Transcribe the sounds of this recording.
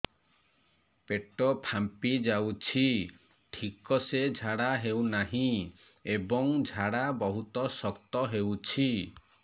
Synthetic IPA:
peʈɔpʰampid͡ʒawt͡ʃʰi | ʈʰikɔsed͡ʒʱaɽaɦewnaɦĩ | ebɔŋd͡ʒʱaɽabɔɦut̪ɔsɔkt̪ɔɦewt͡ʃʰi

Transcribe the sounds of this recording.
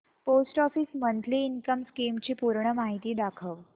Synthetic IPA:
posʈɔfiːsmənt̪ʰliːnkəmskimt͡ɕiːpuɾɳəmaɦit̪iːd̪akʰəʋ

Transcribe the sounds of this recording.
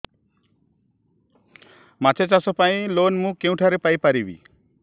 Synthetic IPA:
mat͡ʃʰet͡ʃasɔpaĩlonmũkeũʈʰaɾepajpaɾibḭ

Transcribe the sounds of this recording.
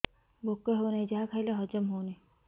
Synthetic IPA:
bokːeɦownajd͡ʒaɦakʰajleɦɔd͡ʒɔmɦowni

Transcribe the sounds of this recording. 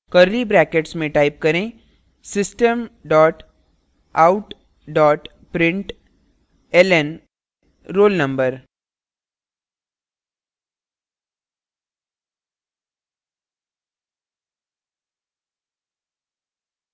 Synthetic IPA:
kəɾlibɾækeʈsmẽʈaip̚kəɾẽ | sisʈəmɖɔʈ | auʈ | ɖɔːʈ | pɾɪɳʈ | elen | ɾoːlnəmbəɾ

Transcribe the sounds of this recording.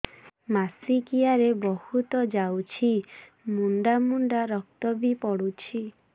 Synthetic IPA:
masikiaɾebɔhut̪ɔd͡ʒawt͡ʃʰi | muɳɖamuɳɖaɾɔk̚t̪ɔbipɔɽut͡ʃʰi

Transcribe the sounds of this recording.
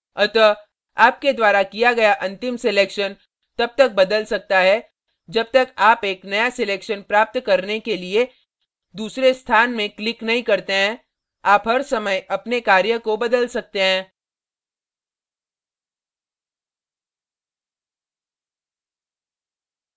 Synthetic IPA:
ɐt̪ə | aːp̚ked̪waːɾakijaɡɐjaʔɐ̃nt̪ɪmsɪleːkʃən | t̪ɐb̚t̪ɐk̚bɐd̪əlsɐk̚t̪aɦɛ | d͡ʒɐb̚t̪ɐkaːpeːknɐjasɪleːkʃənpɾaːp̚t̪kɐɾnekelie | d̪uːsɾest̪ʰaːnmẽklɪknɐɦĩkɐɾt̪eɦɛ̃ | aːpɦɐɾsɐməjɐpnekaːɾjəkobɐd̪əlsɐk̚t̪eɦɛ̃ː

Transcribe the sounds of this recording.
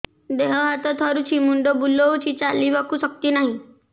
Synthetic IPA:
d̪eɦɔɦat̪ɔt̪ʰɔɾut͡ʃʰimuɳɖɔbulɔut͡ʃʰit͡ʃalibakusɔk̚t̪inaɦĩ

